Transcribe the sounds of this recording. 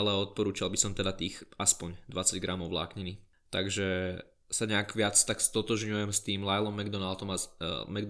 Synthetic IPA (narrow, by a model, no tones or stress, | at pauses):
alɛɔt̪̚pɔɾuːt͡ʃalˠbisɔmt̪ɛd̪at̪iːxaspɔɲd̪ʋat͡saɟɡɾamɔʊʋla̰ːkɲiniː | t̪aɡʒɛ | saɲɛaɡʋɪat͡st̪akst̪ɔt̪ɔʒɲujɛmst̪iːmlajlɔmːɛɡd̪ɔnalt̪ɔmamɛɡd̪